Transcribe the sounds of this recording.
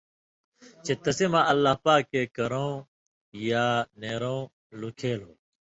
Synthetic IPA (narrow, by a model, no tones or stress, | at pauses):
t͡ʃet̪ɐseːmãːʔəlːaːɦpaːkːeːkɐɾõː | jaːneːɾõː | lukʰeːloː